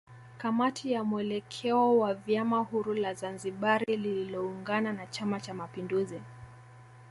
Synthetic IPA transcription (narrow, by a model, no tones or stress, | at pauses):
kamatʰijamuɛlɛkʰɛɔwavjamahuɾulazanziɓaɾilililɔuŋɡananat͡ʃamat͡ʃamapinduzi